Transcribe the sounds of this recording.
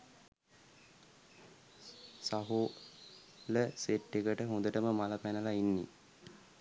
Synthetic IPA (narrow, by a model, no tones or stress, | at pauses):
saɦu | ləseʈːekəʈəɦũnd̪əʈəməmaləpænəlainːḭ